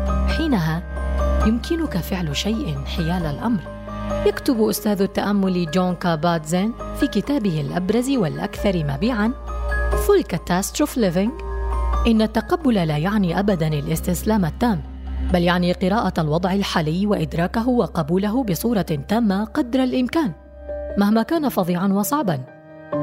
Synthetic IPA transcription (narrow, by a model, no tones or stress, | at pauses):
ħiːnaɦaːjʊmkʰɪnʊkafɪʕlʃajʔɪnħɪjaːlalʔamɾ | jakt̪ʊbʔʊst̪aːðat̪ːaʔamːʊld͡ʒoːnkabaːd̪zanfiːkɪt̪aːbɪhɪlʔa̰bɾˤɑziwalʔa̰kθɑɾˤmaːbiːʕanfʊlkat̪ːaːst̪ɾʊflɪvɪŋɡʔɪnːat̪ːaqɑbːʊlalaːjaʕniːʔabad̪anɪlʔɪst̪ɪslaːmat̪ːaːm | baljaʕniqɨɾaːʔaalwɑd̪ˤʕɪlħaːlɪjːwaʔɪd̪ɾˤɑːkaɦʊwɑqɑbuːlaɦʊbɪsˤuːɾˤɑt̪aːmːaqɑd̪ɾˤalʔɪmkaːn | mahmaːkaːnafɑðˤiːʕɑnwɑsˤɑʕbɑn